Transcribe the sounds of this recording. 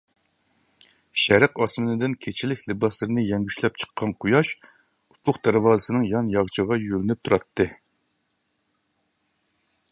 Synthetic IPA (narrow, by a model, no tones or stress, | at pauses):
ʃæɾɨqɑsmɨnɨd̪ɪnkʲʰet͡ʃʰilɪkʲlɨbɑslɨɾɨnɨjɛŋɡʲyʃlɛp̚t͡ʃʰə̥qʰːɑnqʰʊjɑʃ | upʰʊqd̪̥æɾwɑːzɨsɨnɨŋjɑnjɑʁt͡ʃʰəʁɑjølɪnyp̚t̪ʰuɾɑt̪ʰːɨ